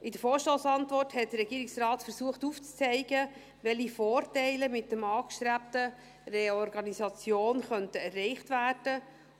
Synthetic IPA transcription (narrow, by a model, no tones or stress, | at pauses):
ʔɪdəfoːɾʃtoːsɑntʋɔrthɛt̚d̥ərɾɛɡiːɾɪksrɑːtfəɾsuəχtuːft͡st͡sɛɪɡə | ʋɛlifoːrtɛɪləmɪt̚dəmɑːkʃtɾæp̚tə | reɔrɡɑnisɑt͡sjoːnχœntəɛrːɛɪχtvæːrd̥ə